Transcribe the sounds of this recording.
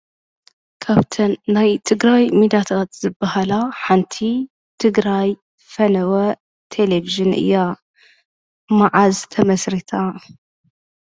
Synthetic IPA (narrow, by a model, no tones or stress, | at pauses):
kʰaβt̪ʰɐnːajt̪ʰɨɡɾajmid̪at̪ʰat̪z̥ɨbːɐhalaħant̪ʰi | t̪ʰɨɡɾaj | fɐnɐwɐ | t̪ʰeleviʒɨnʔɨ̰jːa | maʕazt̪ʰɐmɐsɾit̪ʰa